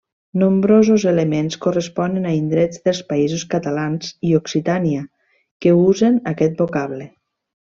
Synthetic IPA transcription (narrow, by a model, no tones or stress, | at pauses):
nombɾozuzelemenskorəspɔnənaind̪ɾɛd͡zðəlˠspaizuskat̪alanzioksit̪ania | kəuzenakɛt̪̚bokaβlə